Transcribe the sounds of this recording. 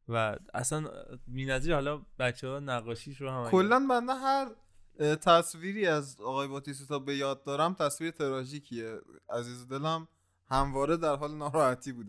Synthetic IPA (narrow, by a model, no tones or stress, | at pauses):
vææ̰sænbiːnæziːɾhɒːlɒbæt͡ʃʰːehɒːjenæɣɒːʃiːʃɾohæmækʰolːænbænd̪æɦæɾ | t̪ʰæsviːɾiːæzɒːɣɒːjebɒːt̪ʰis̬it̪ʰɒːbe̞jɒːd̪̚ːɒːɾæmt̪ʰæsviːɾet̪ʰe̞ɾɒːʒiːcʰieæziːzod̪e̞læm | hæmvɒːɾe̞d̪æɾɦɒːlenɒːɾɒːhæt̪ʰiːbuːd̪e